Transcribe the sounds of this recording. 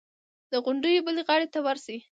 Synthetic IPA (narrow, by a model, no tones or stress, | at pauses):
d̪əɣʊɳɖəjobəleɣɑɽet̪awaɾsai